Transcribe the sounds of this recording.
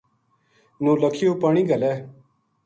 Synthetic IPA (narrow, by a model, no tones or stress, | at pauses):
nõːləkʰɪjoːpəɳ̃ĩːɡəlɛː